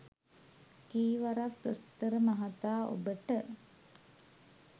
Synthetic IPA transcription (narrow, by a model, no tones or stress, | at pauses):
kiːʋaɾak̚t̪ost̪əɾəmaɦat̪aːʔo̰bəʈə